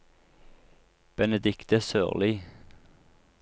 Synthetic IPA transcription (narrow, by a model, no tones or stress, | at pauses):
b̥ɛnəd̪ɪkt̪əsø̰ːʁliː